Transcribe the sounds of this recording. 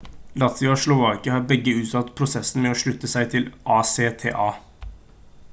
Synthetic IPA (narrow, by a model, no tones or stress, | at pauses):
lɑt̪ʋɪoʃlʊʋɑːkɪəhɑːɾbɛɡːəʉːt̪sɑt̪ːpʰɾʊsɛsn̩mɛoːʂɭʉt̪ːəsæɪt̪ʰɪlʔɑːseːt̪ʰḛːʔɑː